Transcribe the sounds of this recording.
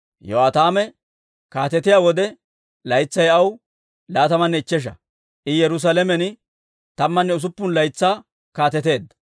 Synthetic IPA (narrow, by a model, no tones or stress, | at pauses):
joaːt̪aːmɛ | kaːt̪ɛt̪ɪjaːwɔd̪ɛ | lɐjt͡sːɐjɐw | laːt̪ɐmɐnːɛɪt͡ʃːɛʃ̬ɐ̰ | ʔɪjɛɾʊs̬ɐlɛmɛn | t̪ɐmːɐnːɛʊs̬ʊpːʊnlɐjt͡sːaː | kaːt̪ɛt̪e̞ːd̪ːɐ̥